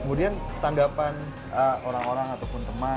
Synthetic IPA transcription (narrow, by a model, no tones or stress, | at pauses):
kəmudiant̪aŋɡapan | əoɾaŋoɾaŋat̪awpʊnt̪əma